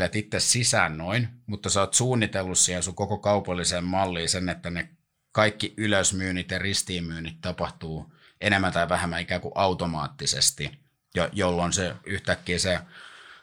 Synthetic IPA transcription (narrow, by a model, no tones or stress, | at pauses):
let̪it̪ːessisæːnnoinmut̪ːɑseoːt̪suːnːit̪elːussihensuŋkokokɑupɑlːiseːmmɑlːiːsenːet̪ːæne | kɑikːiʔyløsmyːnit̪jɑrist̪iːmyːnit̪t̪ɑpɑht̪uː | enemːænt̪ɑiʋæhemːæikæːkuʔɑut̪omɑːt̪ːisḛst̪i | jɑjolːonseyht̪ækːiːse